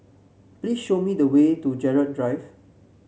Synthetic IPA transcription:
plisʃomidəwetud͡ʒɛɹəd̚dɹaɪv

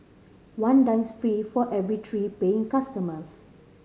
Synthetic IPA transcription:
wãndãj̃nspɹifɔʔɛvɹitʰɹipeɪ̃ŋkastəməs

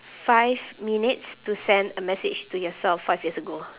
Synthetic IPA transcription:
faɪvminitstusɛ̃ndəmɛsɪd͡ʒtujɔsɛlffaɪvjiəsəɡo

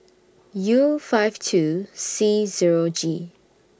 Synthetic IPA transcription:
jufaɪvtʰusiziɹod͡ʒi

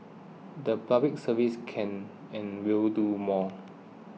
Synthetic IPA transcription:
dəpʰablɪk̚səviskʰɛ̃n | ɛ̃nwildumɔ

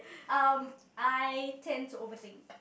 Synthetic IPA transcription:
am | ajtʰɛ̃nd̚tʰuovəθɪ̃ŋk

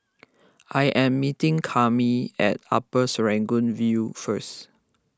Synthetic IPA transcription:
ʔajʔɛ̃mːitĩŋkʰamiɛ̰ta̰pəsɹɛ̃ŋɡũnvjufəs

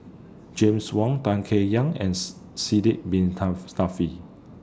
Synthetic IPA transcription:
d͡ʒẽmswɔ̃ŋtãŋkʰejãŋɛ̰̃n | sidiʔ̚bĩnstafi

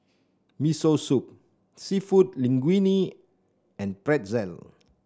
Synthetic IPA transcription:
misosup̚ | sifut̚lĩŋɡwini | ɛ̃npɹɛt̚zɛl

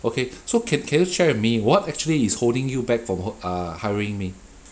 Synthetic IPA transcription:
okʰesokʰɛ̃nkʰɛ̃njuʃɛɹmiwɔtɛk̚t͡ʃuəliːsholdɪ̃ŋjubɛk̚fɹɔ̃mʌhaɪɪ̃ŋmi

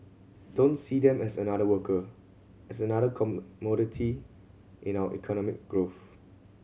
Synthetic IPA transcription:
d̥õntsidɛ̃mɛsənadəwəkʰə | ɛsənaɾəkʰɔmɔɾitʰi | ʔɪ̃nawəʔḭkʰɔnɔmɪ̰k̚ɡ̥ɹoθ

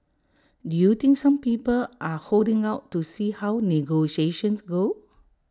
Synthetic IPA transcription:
dujut̪ĩŋksãmpiːpəlʔahodĩŋawtːusihawniɡoʃeʃə̃nsɡo

